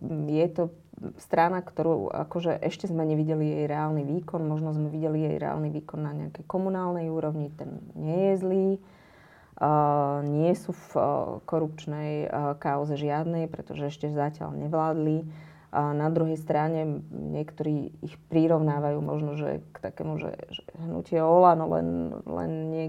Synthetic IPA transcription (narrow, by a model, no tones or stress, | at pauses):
jɛt̪ɔ | st̪ɾanakt̪ɔɾṵːʔa̰kɔʒɛʔɛʃcɛzmɛɲɛʋiɟɛlijɛjɾɛaːlniʋiːkɔnmɔʒnɔzmɛʋiɟɛlijɛ̰jɾɛ̰a̰ːlniʋiːkɔnːaɲɛ̰akɛjkɔmunaːlnɛjuːɾɔʋɲit̪ɛnɲɪɛjɛzliː | ɲɪɛsufkɔɾup̚t͡ʃnɛjkaʊzɛʒɪad̪nɛjpɾɛ̰t̪ɔʒɛɛʃcɛzacɪa̰lɲɛʋlaːd̪li | nad̪ɾuɦɛjst̪ɾaɲɛɲɪɛkt̪ɔɾiːḭxpɾiɾɔʊnaːʋajuːmɔ̰ʒnɔʒɛ̰kt̪akɛ̰ːmuʒɛ̰ʒɛɦnṵcɪɛɔlanɔlɛ̰nlɛ̰nɲɪɛ